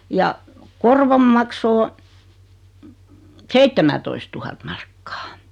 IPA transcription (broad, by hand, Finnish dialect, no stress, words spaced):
jɑ korʋom mɑkso o seitːemætoistuhɑt mɑrkːɑ̥